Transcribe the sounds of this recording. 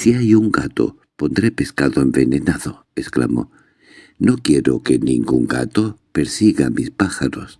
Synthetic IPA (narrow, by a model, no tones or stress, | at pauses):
siaʎuŋɡat̪o̞̰ | po̞nd̪ɾepe̞skaðoembe̞nenaðo | eskla̰mo̞̰ | no̞kjeɾo̰ke̞nḭ̃ŋɡuŋɡa̰t̪opeɾsiɣamispaxaɾos